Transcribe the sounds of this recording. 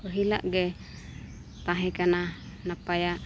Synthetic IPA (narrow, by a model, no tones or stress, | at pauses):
koɦila̰ʔɡɛ | t̪aɦɛkana | napajaʔ